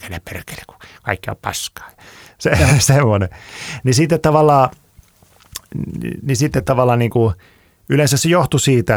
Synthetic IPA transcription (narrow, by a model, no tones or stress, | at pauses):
ke̥lepperke̥le̥ku̥kɑ̰ikːio̰ppɑ̰skɑ̥ːjɑ̥ | sesemːonenisit̪ːet̪t̪ɑʋɑlːˑɑː | nisit̪ːet̪t̪ɑʋɑlːˑɑːnniːŋku | ylensæssejoht̪usiːt̪æ